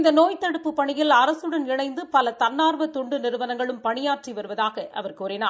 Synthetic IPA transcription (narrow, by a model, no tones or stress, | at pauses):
nd̪ɐnoːjt̪ːɐɽɯpːɯpːɐɳɪjɪlɐɾɐsɯɽɐnɪɳɐɪnd̪ɯpɐlɐt̪ɐnːaːɾʋɐt̪ɔɳɖɯnɪɾɯʋɐnɐŋɡɐɭɯmpɐɳɪjaːʈriʋɐɾɯʋɐðaːɣɐʔɐ̰ʋɐɾkuːɾɪnaː